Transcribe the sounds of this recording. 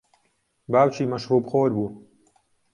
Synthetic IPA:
baːwt͡ʃʰiːmɐʃhuːbχoːɾbuː

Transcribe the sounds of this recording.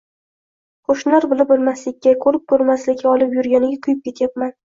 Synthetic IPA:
qʰoʃnɒɾbʊlˠɪpɪlˠmaslɪkʲːakʰɵɾɪp̚kʰɵɾmaslɪkʲʰːaɒlˠɪpjʊɾɡʲanɪɡʲaqʰʊjɪp̚kʲe̞t̪ʰjap̚man

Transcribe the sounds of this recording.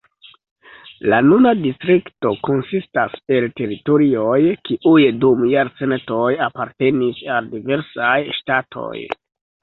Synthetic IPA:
lanunadistɾikto̞ko̞nsistase̞lte̞ɾitoɾio̞jkiʔujdumjaɾt͡sento̞japaɾte̞nisaldive̞ɾsajʃtatʰo̞̰j

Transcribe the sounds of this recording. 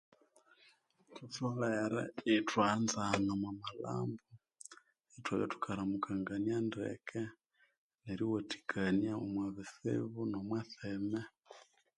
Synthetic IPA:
tufoleɾɛ̰etwanzanamwamala̰ːmbo | etwaβja̰tu̥kʰaɾamukaŋɡanjandḛkʰe | neɾiwotʰi̥kʰanjaomwaβisḛβunomwaθeme

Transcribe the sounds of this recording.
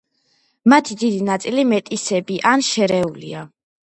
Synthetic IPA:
mat̪ʰid̪id̪inat̪sʼilimɛt̪ʼisɛbiʔanʃɛɾɛulḭa

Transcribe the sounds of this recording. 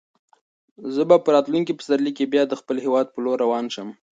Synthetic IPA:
zəbapəɾɑt̪luŋkipə̥saɾlikebjɑd̪əxpəlhewɑd̪̚pəloɾːawɑnʃəm

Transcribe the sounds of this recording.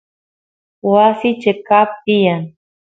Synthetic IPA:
wasit͡ʃekap̚t̪ijan

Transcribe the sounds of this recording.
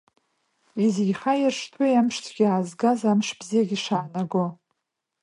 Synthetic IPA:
iziɡʲχajɪrʂtʰwejamʂt͡sʰʼɡʲiaːzɡazamʂb̥zijaɡʲiʂaːnaɡo

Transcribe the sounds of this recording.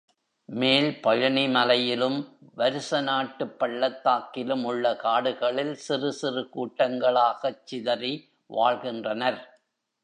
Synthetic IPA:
meːlpɐɻɐɳimɐlɐjɪlɯmʋɐɾɯsɐnaːʈːɯpːɐɭːɐt̪ːaːkɪlɯmʊɭːɐkaːɽɯɣɐɭɪlsɪrɯsɪrɯkuːʈːɐŋɡɐɭaːɣɐt͡ʃːɪðɐɾi | ʋaːɭɣɪndrɐnɐɾ

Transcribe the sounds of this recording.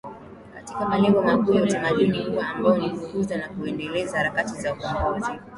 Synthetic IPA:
katikamalɛŋɡɔmakujautamaɗunikuwaːmbaɔnifukuzanakuɛndɛlɛzahaɾakatizaukamɡuzi

